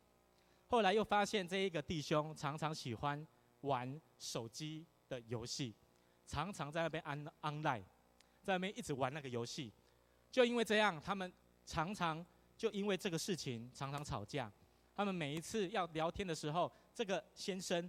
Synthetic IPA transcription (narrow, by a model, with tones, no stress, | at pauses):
xo˥˩ʊla˧ɪjo˥˩ʊfa˦ɕjɛ˥˧nʈ͡ʂɤ˥˧i˥˩ɡə˨˩t̪i˥˨ɕjo˦ŋʈ͡ʂʰɑ˨˧˥ŋʈ͡ʂʰɑ˧˥ŋɕi˨˩xwa˦n | wa˨˦n | ʂo˨˩ʊt͡ɕi˦ | d̪̥ə˨jo˧˥ʊɕi˥˩ | ʈ͡ʂʰɑ˧˦ŋʈ͡ʂʰɑ˧˥ŋt͡sa˥˧ɪna˥pjɛ˥n˦na˦ŋla˥˩ɪ | t͡sa˥˧ɪna˥˩pjɛ˥˦nʔi˥˩ʈ͡ʂ̩˨˩wa˨˦na˥˩ɡə˩jo˧˥ʊɕi˥˨ | t͡ɕjo˥˧ʊi˥nwe˥˧ɪʈ͡ʂɤ˥˧jɑ˥˨˩ŋt̪ʰa˥mə˨n | ʈ͡ʂʰɑ˨˧˥ŋʈ͡ʂʰɑ˨˦ŋ | t͡ɕjo˥˧ʊi˥nwe˥˧ɪʈ͡ʂɤ˥˩ɡə˩ʂɻ̩˥˩t͡ɕʰi˨˦ŋʈ͡ʂʰɑ˨˧˥ŋʈ͡ʂʰɑ˨˦ŋt͡sʰɑ̰˨˩ʊt͡ɕja˥˨˩ | t̪ʰa˦mə˨nme˨˩ɪi˧˥t͡s̩ʰ˥˧jɑ˥˩ʊljɑ˧˦ʊt̪ʰjɛ˦˥nd̪ə˨ʂɻ̩˧˥xo˥˨ʊʈ͡ʂɤ˥˩ɡə˨˩ɕjɛ˦nʂə˦n